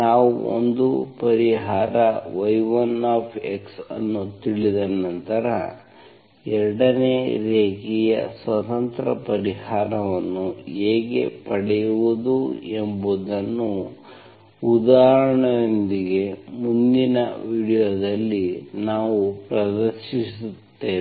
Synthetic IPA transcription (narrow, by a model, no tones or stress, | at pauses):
naːʋuo̰nd̪upɐɾiɦaːɾɐʋɐjʋɐnaːpʰeksɐ̰nːut̪iɭid̪ɐnːɐnt̪ɐɾɐ̰ | ɛɾɐɽɐneːɾeːɡijɐ̰sʋɐt̪ɐnt̪ɾɐ̰pɐɾihaːɾɐʋɐnːueːɡḛpɐɽɛjuʋud̪uembud̪ɐnːu | ud̪aːɦɾɐɳɐjond̪iɡe̞mund̪inɐʋiːɽijoːd̪ɐlːinaːʋupɾɐd̪ɐɾʃisut̪ːe